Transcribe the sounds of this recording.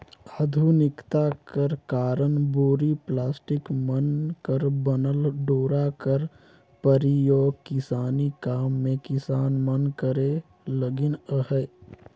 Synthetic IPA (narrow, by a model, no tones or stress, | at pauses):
əd̪ʱunɪkt̪akəɾkaːɾənboːɾiplaːsʈɪkmənkəɾbənəlɖoːɾakəɾ | pəɾijoːɡ̚kɪsaːnikaːmːẽkɪsaːnmənkəɾe | ləɡɪnəɦɛː